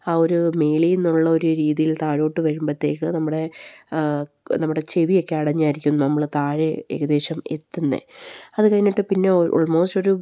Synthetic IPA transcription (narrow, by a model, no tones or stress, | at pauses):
aːo̞ɾumejɭienːuɭːɐo̞ɾuɾiːðijilt̪aːɻo̞ːʈːɨʋɐɾumbɐt̪ːe̞ːkːɨnɐmːuɽe̞ | nɐmːuɽe̞t͡ɕe̞ʋijo̞kːe̞ɐɽɐɲːaːjiɾikʲːumnːɐnɐmːɐɭt̪aːɻɨḛɣɐðe̞ːɕɐme̞̰t̪ːunːḛɐðɨkɐjnːiʈːɨpinːe̞ʔo̰ːɭmo̞ːsto̞ɾu